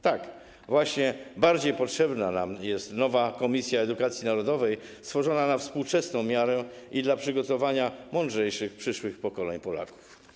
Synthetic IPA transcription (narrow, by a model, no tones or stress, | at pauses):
t̪ak | vwaɕɲɛbaɾd͡ʑejpɔtʂɛbnana̰mjɛst̪nɔvakɔmʲisʲjaɛd̪ukat̪sʲjinaɾɔd̪ɔvɛjst̪fɔʐɔnanafspuwt͡ʂɛsnɔ̃w̃mʲjaɾɛid̪lapʂɘɡɔt̪ɔvaɲamɔndʐɛjʂɘxpʂɘʂwɘxpɔkɔlɛɲpɔla̰ku̥f